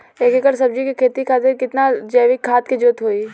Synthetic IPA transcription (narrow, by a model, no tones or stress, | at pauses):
eːkekəɾs̬ɐb̚d͡ʒikikʰeːt̪ikʰaːt̪ɪɾkɪt̪nad͡ʒɐːʋɪkʰːaːt̪kid͡ʒoːt̪ɦoːi